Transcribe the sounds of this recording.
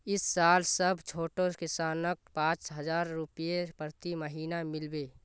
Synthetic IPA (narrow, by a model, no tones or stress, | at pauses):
ɪsːaːlsəbʱt͡ʃʰoːʈokɪsaːnək̚pãːt͡ʃɦəd͡ʒaːɾːʊpjepɾət̪iməɦiːnamɪlbeː